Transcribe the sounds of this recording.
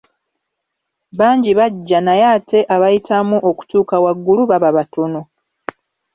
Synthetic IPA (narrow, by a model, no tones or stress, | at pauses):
βaːɲɟiβaɟːanajaːte̞ʔaβajitʰamuʔo̞ku̥tuːkawaɡːuluβaβaβatono